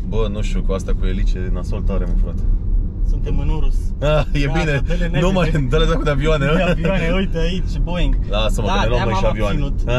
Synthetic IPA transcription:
bənuʃt̪jukuast̪akuelit͡ʃenasolt̪aɾemafɾat̪esunt̪emɨnuɾusajebinennumajnd̪oɾazakud̪avioanevaneujt̪əit͡ʃeboiŋɡ̪asəməkad̪elomaʃavianeut̪a

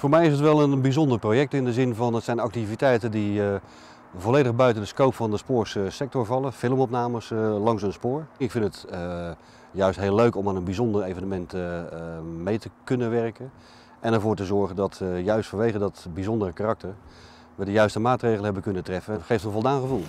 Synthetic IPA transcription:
vʊːɹmɛjɪsətʋɛlˠənbizɔndəɹprojɛk̚tɪndəzɪnvɑnətsɛjnɑk̚tivitɛjtəndi | voleːdəɣbœɥtəndəskowpfɑndəspʊːɹssɛk̚tɔɹvɑlˠəfɪlˠəmɔpnaːməslɑŋsənspʊːɹɪkfɪntətə | jœɥstɦeːlːøɥkɔmaːnənbizɔndərejvənəmɛnt | mejtəkɵnənʋɛrkən | ʔɛnɛɹvʊːɹtəzɔɹɣəndɑtjœɥstfɔnʋejɣəndɔtbizɔndərəkarɑk̚təɹ | ʋədəjœɥstəmaːtrejɣələɦɛbəkɵnətrɛfəχejftənvɔlˠdaːnχəvulˠ

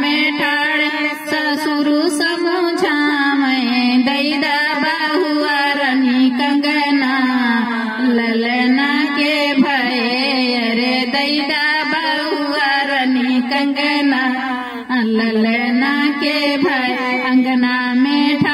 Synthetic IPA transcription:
mẽʈʰaːɽ | sɐ | suɾusɐmũd͡ʒʱamɐed̪ɐid̪a | ba | ɦuaɾənikɐŋɡəna | lɐlənake | bʱajejɐɾed̪ɐid̪abaɾɦuaɾɐnikɐŋɡəna | lɐlənakebʱaeɐ̃ŋɡnamẽʈʰa

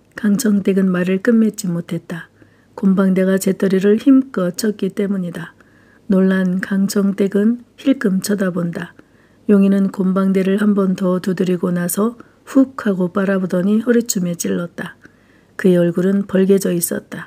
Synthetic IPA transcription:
kaŋt͡ɕʰʌŋt͈e̞ɡɯnmaɾɯɭk͈ɯmːe̞t͡ɕ͈imotʰe̞t̚t͈a | kombaŋde̞ɣat͡ɕe̞t͈ʌɾiɾɯɭçimk͈ʌt͡ɕʰʌt̚k͈it͈e̞muɲida | noɭːankaŋt͡ɕʰʌŋt͈e̞ɡɯnçiɭk͈ɯmt͡ɕʰʌdabonda | joŋinɯnkombaŋde̞ɾɯɭhambʌntʌtudɯɾiɡonasʰʌ | ɸuk̚kʰaɡop͈aɾabodʌɲihʌɾit͡ɕʰume̞t͡ɕ͈iɭːʌt̚t͈a | kɯeʌɭɡuɾɯnpʌɭɡe̞d͡ʑʌis͈ʌt̚t͈a

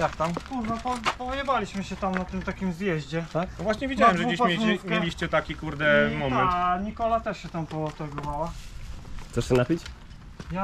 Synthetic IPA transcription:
jak̚t̪ampuʐnɔpɔpɔvʲjɛbalʲiɕmɘɕɛt̪amnat̪ɘmt̪akʲimzjɛʑd͡ʑɛt̪ak̪ɔvwaɕɲɛvʲid͡ʑawɛmʐɛɡd͡ʑeɕʲeɛmʲelʲiɕt͡ɕɛt̪akʲikuɾd̪ɛmɔmɛnɲikɔlat̪ɛʂɕɛt̪ampɔt̪ɛɡɔmawa | t̪sɛʂɕɛnapʲit͡ɕ | ja

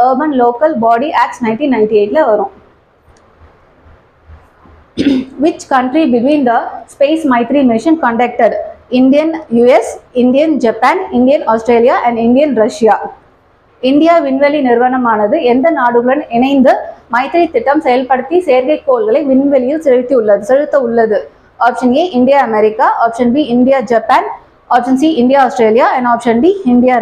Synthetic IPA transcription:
əːbɐnloːkɐlbaːɽiʔæːksnɐɪnʈiːnːɐɪ̃ɳʈieɪʈlɐʋɐɾʊ̃ | ʋɪt͡ʃkɐɳʈɾibɪʈʋiːnd̪ɐspeːsmɐɪt̪ɾimɪʂɐnkɐɳɖɛk̚ʈɐɽɪɳɖɪjɐnjuːɛsɪɳɖɪjɐnd͡ʒɐpːaːnɪɳɖɪjɐnaːsʈɾeːlɪjaːʔɛ̃ɳɖɪɳɖɪjɐnɾɐʂɪjaː | ɪɳɖɪjaːʋɪnʋɛlinɪɾʋɐnɐmaːnɐðɯɛnd̪ɐnaːɽɯɣɯɭɐnɪnɐɪnd̪ɯmɐɪt̪ɪɾit̪ːɪʈːɐmsɛjɐlpɐɽɯt̪ːisejɐɾɣɐɪkːoːlɣɐɭɐɪʋɪnʋɛlɪjɪlsɛɻɯt̪ːiʊɭːɐðɯsɛɻɯt̪ːɐʊɭːɐðɯ | aːpʂɐnjeʔɪɳɖɪjaːɐmɛɾɪkːaʔaːpʂɐnbiːɪɳɖɪjaːd͡ʒɐpaːn | aːpʂɐnsiɪɳɖɪjaːoːsʈɾeːlɪjaːɛ̃ɳɖaːpʂɐnbiːɪɳɖɪjaː

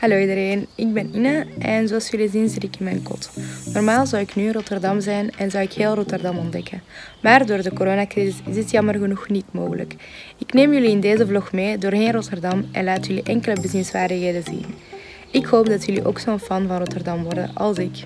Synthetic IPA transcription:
hɑloːidəɾeːnɪɡ̚bɛninəʔɛnzoɑlˠsjɵlizinzɪtɪkɪnmɛːjnkɔ̰tnɔrmaːlˠzɑwɪknyːənrɔtərdɑmzɛjnɛnzɑwɪkheːlˠrɔtərdɑmɔndɛkən | maːrdoːrdəkoɾoːnakrizɪsɪzətjɑmərɣənuxnitmo̰ːɣələ̰k | ɪkneːmjʏliɪndeːzəvlɔxmeːdoːrɣeːnrɔtərdɑmʔɛ̰nlaːtjʏliʔɛŋkələbəzɪnsʋaːrdəxeːdəzḭn | ɪkhoːp̚dɑtjʏlḭʔo̰ːksoːnfɑnvɑnrɔtərdɑmʋɔrdə̰nʔɑ̰lˠsɪk

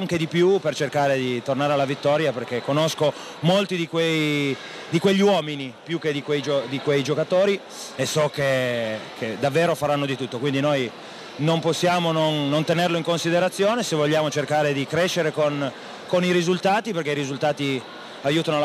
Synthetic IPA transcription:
ŋk̟ed̪ipjupert͡ʃerkaːɾed̪it̪ornaːɾealːavit̪ːɔːɾjaperkekːonosko | molt̪id̪ikwej | d̪ikweʎːiwɔːminipjukːed̪ikwejd͡ʒod̪ikwejd͡ʒokat̪oːɾi | esːɔkekʰed̪avːeːɾofaɾanːod̪it̪ut̪ːokwind̪inoj | nomposːjaːmononːont̪enerloiŋkonsid̪eɾat̪sːjoːnesevoʎːaːmot͡ʃerkaːɾed̪ikɾeʃːeɾekon | koniɾizult̪aːt̪iperkeiɾizult̪aːt̪i | ajuːt̪anol

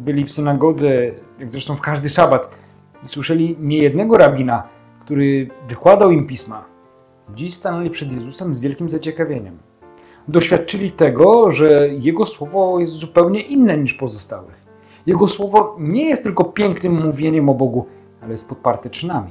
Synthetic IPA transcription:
bɘlʲifsɘnaɡɔd̪zɛjaɡzɾɛʂt̪ɔ̃w̃fkaʐd̪ɘʂabat̪ | iswɘʂɛlʲiɲɛjɛd̪nɛɡɔɾabʲina | kt̪uɾɘvɘkwad̪awimpʲisma | d͡ʑiɕst̪anɛlʲipʂɛd̪jɛzusɛmzvʲjɛlkʲimzat͡ɕɛkavʲjeɲɛm | d̪ɔɕfʲjat̪̚t͡ʂɘlʲit̪ɛɡɔʐɛjɛɡɔswɔvɔjɛst̪zupɛwɲɛʔinːɛɲiʂpɔzɔst̪awɪ̰x | jɛɡɔswɔvɔɲɛjɛst̪ːɘlkɔpʲjɛŋknɘmːuvʲjeɲɛmɔbɔɡu | alɛjɛst̪̚pɔt̪̚paɾt̪ɛt͡ʂɘnamʲi

